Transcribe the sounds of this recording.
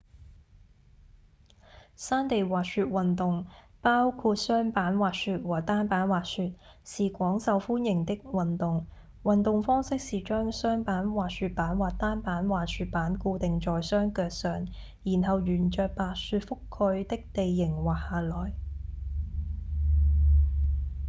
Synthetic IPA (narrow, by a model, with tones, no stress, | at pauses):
saː˥nt̪e˨jwaː˨k̚syː˧t̚wɐ˨nt̪ʊ˨ŋpaː˥wkʰuː˧t̚sœː˥ŋpaː˨˥nwaː˨t̚syː˧t̚wɔː˨˩t̪aː˥npaː˨˥nwaː˨syː˧t̚ | siː˨kʷɔː˨˥ŋsɐ˨wfuː˥njɪ˨˩ŋt̪ɪ˥k̚wɐ˨nt̪ʊ˨ŋ | wɐ˨˩nt̪ʊ˨ŋfɔː˥ŋsɪ˥k̚siː˨t͡ʃœː˥ŋsœː˥ŋpaː˨˥nwaː˨tsyː˧t̚paː˨˥nwaː˨t̚t̪aː˥npaː˨˥nwaː˨syː˧t̚paː˨˥nkuː˧t̪ɪ˨ŋt͡ʃɔː˨jsœː˥ŋkœː˧k̚sœː˨˩ŋ | jiː˨˩nɦɐ˨wjyː˨˩nt͡ʃœː˨˧k̚paː˨˧syː˧t̚fʊ˥kʰːɵ˧ɥt̪ɪ˥k̚t̪e˨jːɪ˨˩ŋwaː˨˩k̚haː˨lɔː˨˩j